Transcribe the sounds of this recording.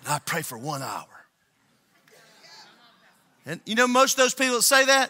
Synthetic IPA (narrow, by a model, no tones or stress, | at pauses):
ɨ̃naɪpʰɹ̥eɪfə˞wʌ̃na̰ʊə˞ | ɨ̃njɨnoʊmoʊstʌvðoʊz̥pipl̩ˠseɪðæt̚